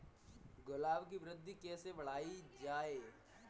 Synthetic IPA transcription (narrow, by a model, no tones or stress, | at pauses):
ɡʊlaːʋk̬iʋɾɪd̪ʱːikɛːseʋɐɽ̤aːid͡ʒaːeː